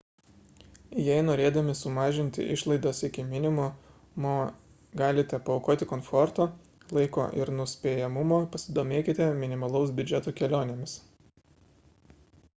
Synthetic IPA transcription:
jɛɪnoːɾʲeːd̪ɐmʲɪsʊmɑːʒʲɪnʲt̪ʲɪ̰ʔɪ̰ʃlˠɐɪd̪oːsɪkʲɪmʲɪnʲɪmʊ | moː | ɡɑːlʲɪt̪ʲɛpɐɔʊkoːt̪ʲɪkoːnfɔɾt̪oː | lˠɐɪko̰ːʔɪ̰ɾnʊsʲpʲeːjɛmʊmoːpɐsʲɪd̪oːmʲeːkʲɪt̪ʲɛmʲɪnʲɪmɐlˠɔʊs̬bʲʊd͡ʒʲɛt̪oːkʲɛlʲoːnʲɛmʲɪs

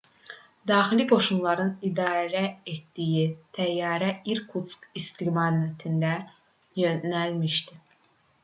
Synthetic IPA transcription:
d̪ɑːxiliɡo̞ʃunlˠɑɾɯnid̪ɑːɾæet̪d̪ijit̪ʰæjːɑːɾæiɾkʰut̪skist̪ʰiɡmɑnɛt̪ʰind̪æ | jønælmiʃt̪i

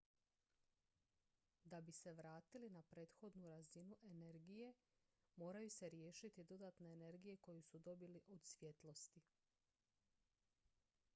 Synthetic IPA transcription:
d̪abise̞ʋɾaːt̪ilinapɾe̞ːt̪xo̞d̪nuɾazinuʔe̞ne̞ɾɡije̞ | mo̞ːɾajuse̞ɾje̞ːʃit̪id̪o̞d̪at̪ne̞ːne̞ɾɡije̞ko̞jusud̪o̞biliʔo̞d̪sʋje̞t̪lˠo̞st̪i

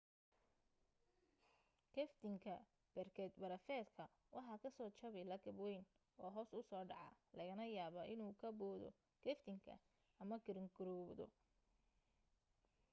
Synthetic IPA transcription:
kʰɛft̪ʰɪŋkʰɐ | b̥ɛrkʰɛd̪bɐɾɐfɛːd̪kʰɐ | wɑħɑːkʰɐsɔːt͡ʃɐβɪlɐɡɐbwɛjn | ʔɔːɦɔːsʊsɔːɖɑʕɑ̰lɐɣɐnɐjaːβɐʔɪnuːkʰɐbɔːðɔ̰ | kʰɛft̪ʰɪŋkʰɐ̰ | ɐmɐɡɪɾɪŋɡʊɾɔβd̪ɔ̰

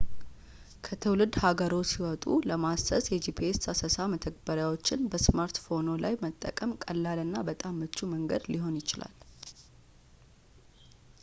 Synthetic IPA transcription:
kʰət̪ʰəwlɨd̪haɡəɾo̞siwɔt̪ʼuləmasəsjɛd͡ʒipʰiesasəsamət̪ʰəɡ̚bəɾjawo̞t͡ʃːɪnbəsmaɾt̪fo̞no̞lajmət̪ʼːə̰kʼəmkʼəlːalɨnːabət̪ʼamːət͡ʃːuməŋɡəd̪liɦo̞njɪt͡ʃɪla̰l

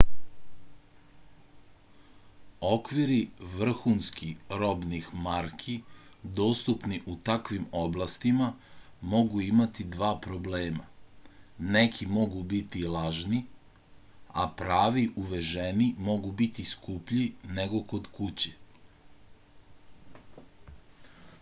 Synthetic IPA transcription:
o̞kʋiɾiʋr̩xunskiɾo̞bnixmaɾkʰi | d̪o̞ːst̪upniʔut̪akʋimoblˠast̪ima | mo̞ɡuimat̪id̪ʋaːpɾo̞bleːma | nekʰimo̞ɡubit̪ilaʒni | a̰pɾaːʋiʔuʋeʒenimo̞ɡubit̪iskupʎineɡo̞ko̞d̪kut͡ɕe

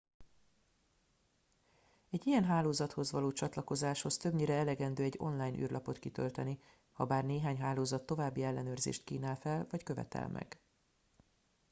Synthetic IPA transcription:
ɛɟːijɛnɦaːloːzɒt̪ho̞zvɒloːt͡ʃɒt̪lɒko̞zaːʃho̞st̪ø̞bɲiːɾɛɛlɛɡɛnd̪øːɛɟːo̞̰nlaːjnʔy̰ːrlʔɒpo̞t̪kit̪ø̰lt̪ɛni | hɒbaːrneːɦaːɲɦaːloːzɒt̪ːo̞vaːbːiɛlːɛnøːrzḛːʃt̪kiːnaːlfɛlvɒckø̞vɛ̰t̪ɛ̰lmʔɛ̰ɡ̥

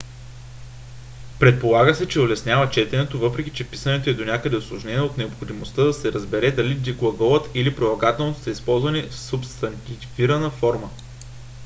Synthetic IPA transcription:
pɾɛt̪̚polˠaɡəsɛt͡ʃɛolɛsnʲjavət͡ʃɛt̪ɛnɛt̪ovɤpɾɛkʲi̥t͡ʃɛpi̥sənɛt̪oɛd̪onʲakəd̪ɛoslˠoʒnɛnʲiɛot̪nɛopxod̪imost̪əd̪ɐsɛɾəzbɛɾɛd̪ɐlid̪iɡlˠɐɡɔvət̪ilipɾilˠɐɡat̪ɛlˠnot̪o̥sɐispɔlˠzvɐnifsʊpst̪ɐnt̪viɾɐnəfɔɾmə

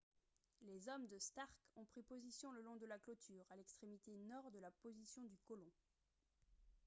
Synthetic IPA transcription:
lezɔmd̪əst̪aʁkɔ̃pχipozisjɔ̃ləlɔ̃d̪əlaklot̪ʰyːʁalɛkst̪χemit̪enɔʁd̪əlapozisjɔ̃d̪ykɔlɔ̃

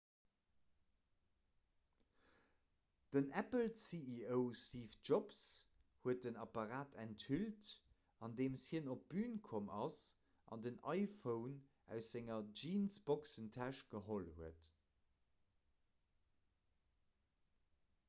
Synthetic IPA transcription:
d̥ənæpəlsiiəʊsiːfʒops | huət̚dənɑpɑʁaːtʰænthylt | ɑndeːmshiənop̚b̥yːnkʰomɑs | ʔɑ̰ndənɑɪfəʊn | æ̰ʊsz̥æŋɐd͡ʒiːnsb̥oksəntʰæʃɡ̥əɦolhuət

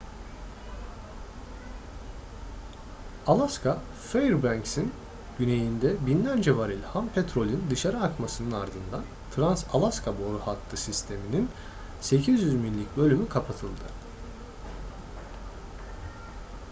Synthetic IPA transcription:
alˠaskʰa | fejɾbæŋksin | ɟyne̞jind̪ɛbinlʲæɾd͡ʒɛvaɾilʲhampʰet̪ɾo̞lʲind̪ɯʃaɾaakmasɯnɯnaɾd̪ɯnd̪an | t̪ʰɾansalˠaskʰabo̞ɾuhat̪ʰːɯsist̪ʰe̞minin | se̞cʰizjyzminlʲicʲbø̞lʲymykʰapʰat̪ʰɯlˠd̪ɯ

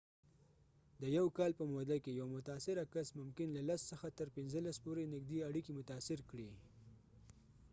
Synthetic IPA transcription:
d̪əjawkɑlpəmod̪akejawamʊt̪asɪɾakasmʊmkɪnlalassəxat̪əɾpɪnzəlaspoɾenɪɡ̚d̪iaɽikimʊt̪ɑsɪɾkɽi

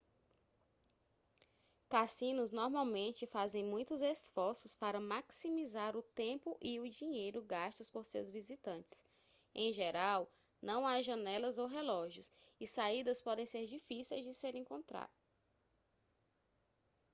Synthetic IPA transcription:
kasĩnʊznɔɾmawmẽnt͡ʃɪfazẽj̃mũj̃t̪ʊzesfɔɾsʊspaɾɐmaksimizaɾʊt̪ẽpʊʔiʊd͡ʒiɲejɾʊɡaʃt̪ʊspoɾsewzvizit̪ɐ̃nt͡ʃɪ̥s | ẽj̃ʒeɾaw | nɐ̃w̃aʒɐ̃nɛlɐzowɦelɔʒjʊs | isaid̪ɐspɔd̪ẽj̃seɾd͡ʒifisiejzd͡ʒɪseɾẽŋkõnt̪ɾa̰ɾ

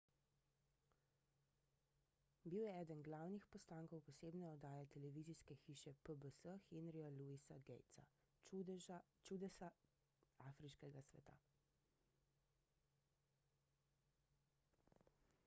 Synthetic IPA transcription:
biwjɛɛːd̪ənɡlaːwnixpɔst̪aːŋkɔwpɔseːbnɛɔd̪aːjɛt̪ɛlɛʋiziskɛxiːʃɛpəbəsəxenɾiɔluisaɡɛjt̪sa̰ | t͡ʃud̪ɛsa | aːfɾiʃkɛɡasʋɛ̰t̪a̰

